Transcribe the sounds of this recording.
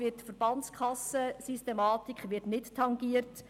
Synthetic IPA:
vɪtfəɾb̥ɑnt͡skχɑsəsystemɑːtikχʋɪtnɪttʰːɑŋɡiərt

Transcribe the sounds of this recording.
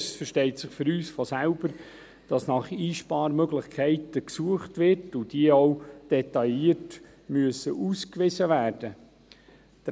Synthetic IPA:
sfəɾʃtɛɪtsɪχfʏɾyːsfɔsælb̥əɾ | d̥ɑsnɑχiːʃpɑːɾmøɡlɪχkʰɛɪtəksuəχtʋɪrtʊd̥iəoʊd̥ɛtɑjiərt | myəsəʔuːskʋɪsəʋæːrd̥ə | t̪

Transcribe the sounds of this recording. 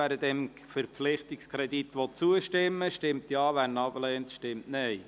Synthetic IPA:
æːɾədɛmfəɾpflɪχtɪkskʰɾɛdit̪ʋɔt͡suəʃtɪmːəʃtɪmtjɑːʋænɑblɛːntʃtɪmtnɛɪ

